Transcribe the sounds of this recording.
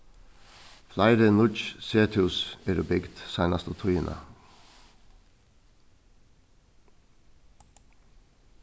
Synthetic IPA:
flɑɪɾənʊt͡ʃseːt̪ʰɪʊseɾʊbɪɡt̪sæɪnɑst̪ət̪ʰʊiːnʔɑ̰

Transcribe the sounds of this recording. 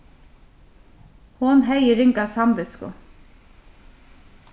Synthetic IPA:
hʊnɦɛjɪɾɪŋkasɑmʋɪskʊ̰

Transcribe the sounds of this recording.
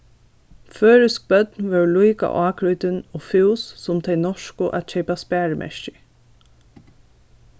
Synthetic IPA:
føːɹɪsk̚bœt̪nʋɛɹluɪka̰ʔɑːkʰɹujt̪ɪnoːfɪwsːʊmt̪ʰɛɪnɔʂkʊʔæ̰t̪c͡çeɪpaspæːɹəmʔɛ̰ʃcɪ

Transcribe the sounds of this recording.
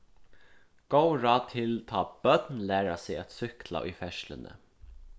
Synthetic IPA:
ɡ̥owɹaːt̪ʰɪlt̪ʰɑːbœt̪nlæːɾasɪat̪sʏhkla̰ʔʊ̰jfɛʃlɪ̰nə̰

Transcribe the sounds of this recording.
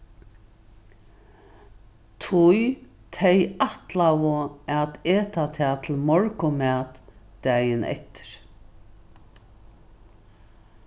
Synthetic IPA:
t̪ʰʊj | t̪ʰɛjaht̪lawʊɛt̪eːt̪at̪ʰɛːt̪ʰɪlmɔɹkʊmæːt̪d̪̥æjɪnɛ̰ht̪ɪ̥ɾ

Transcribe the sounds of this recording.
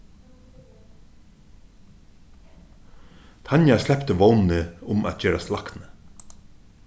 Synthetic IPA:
t̪ʰɑnjaslɛpt̪əʋownnəʊmʔa̰t̪̚d͡ʒøːɾaslɑknə

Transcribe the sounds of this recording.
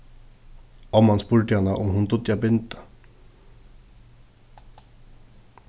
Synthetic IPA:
ɔmːanspʊɹd̪ɪanːaʔʊmɦʊnd̪ʊd̪jabɪnt̪ḁ

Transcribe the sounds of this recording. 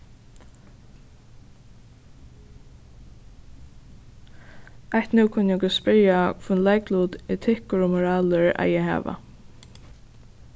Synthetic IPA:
aht̪nʉːkʰʊnjɛɡʊspɪɹjakʰvunlaɪkluːt̪ɛt̪ʰɪhkʊɹɔmʊɹaːləɹa̰jɛɦa̰ːʋa̰

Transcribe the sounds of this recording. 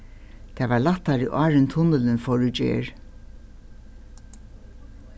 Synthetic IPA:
t̪ʰɛːvalat̪ːaɾḭʔɑːɹɪnt̪ʰʊnəlɪnfɔɹʏd͡ʒḛːɹ

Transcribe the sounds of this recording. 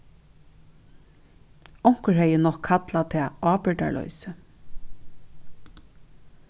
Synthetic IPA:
ɔŋ̥kəɹhɛjənɔhkʰːat̪lat̪ʰɛːaːpɪɹʈ̪a̰ɹlɔ̰jsə

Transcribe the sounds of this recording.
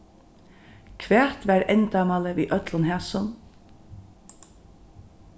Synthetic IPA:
kʰʋæːt̪ʋæːɾɛnt̪ɑmaləʋḭːʔœt̪lənhɛːsʊn

